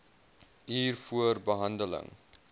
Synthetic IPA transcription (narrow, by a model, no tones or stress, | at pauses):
ɦiːrfuərbəɦɐndələ̰ŋ